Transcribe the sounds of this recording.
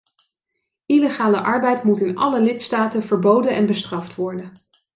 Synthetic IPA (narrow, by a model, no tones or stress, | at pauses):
ileχaːləʔɑɹbɛjtmutɪnɑləlɪtstaːtənvəɹbowdənʔɛnbəstrɑftʋɔɹdən